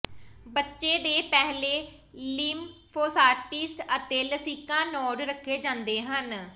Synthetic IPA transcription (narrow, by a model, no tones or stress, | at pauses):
bətːʃeːd̪eːpɛɦleː | liːmpʰoːsaːɾʈɪsət̪eːləsiːkãːnɔːɖɾəkʰːeːd͡ʒãːnd̪eːɦən